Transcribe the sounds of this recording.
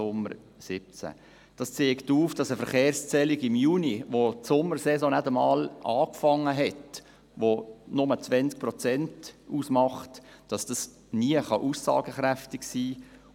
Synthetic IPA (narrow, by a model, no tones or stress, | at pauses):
ʊmə̰r | sɪp̚t͡sæ̰ | d̥ɑst͡seːktuːfd̥ɑsəfəɾχeːɾst͡sɛliɡɪmjuːniʋotsʊmːəɾsɛsɔ̃nædəmɑːlʔɑːkfɑŋːəɦɛt | ʋonʊmət͡sʋɛnt͡sk̚prɔt͡sɛntuːsmɑχt | d̥ɑsd̥ɑs | niəχɑʔusːɑ̰ːɡəχɾæftɪksiː